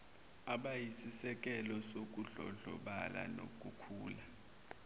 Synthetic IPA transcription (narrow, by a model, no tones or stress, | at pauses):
aɓajisisɛk̬ʼɛlɔsok̬uɮɔɮɔ̰ɓala̰no̰k̬ʼukʰuːla